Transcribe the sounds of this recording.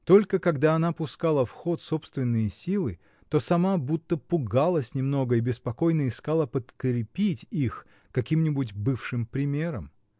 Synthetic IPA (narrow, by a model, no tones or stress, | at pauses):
t̪o̞lʲkəkɐɡd̪aɐnapʊskalˠəfxo̞t̪so̞pst̪vʲɪnːɨjəsʲilˠɨ | t̪o̞sɐmabut̪ːəpʊɡalˠəsʲnʲɪmno̞ɡəibʲɪspɐko̞jnəɪskalˠəpət̪kɾʲɪpʲitʲix | kɐkʲimnʲɪbutʲbɨfʂɨmpɾʲɪmʲe̞ɾəm